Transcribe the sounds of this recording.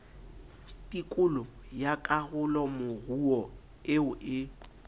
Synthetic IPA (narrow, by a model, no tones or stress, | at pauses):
tʼikʼʊlʊ | jakʼaɣʊlɔmʊɣuɔ | ɪʊʔɪ